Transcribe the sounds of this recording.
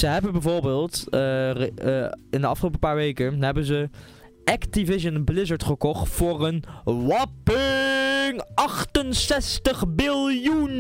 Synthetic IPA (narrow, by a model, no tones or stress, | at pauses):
z̥əɦɛbənbɛvʊːɹbeːlˠt | ɪndəɑfχəlowpəpaːɹʋejkənɦɛbənzə | ʔɛktivɪʃənblɪzəɹtχəkɔχtfʊːrənʋɑpɪŋʔɑχtənsɛstəχbɪlˠjun